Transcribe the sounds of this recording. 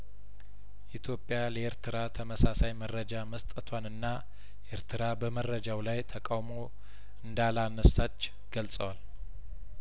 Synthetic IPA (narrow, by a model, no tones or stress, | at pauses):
ʔit̪ʰjo̞pʼːjaləeɾt̪ʰɨɾat̪ʰəməsasajmərːəd͡ʒaməst̪ʼət̪ʰwanɨnːa | ʔeɾt̪ʰɨɾabəmərːəd͡ʒawlajt̪ʰəkʼawmo̞ | ʔɨnd̪alanəsat͡ʃː | ɡ̥əlsʼəwal